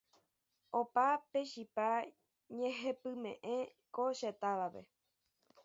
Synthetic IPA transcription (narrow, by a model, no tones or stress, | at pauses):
opape̞ʃipa | ɲẽɦe̞pɨmḛ̃ʔẽ | koʃet̪aʋaʋe̞̰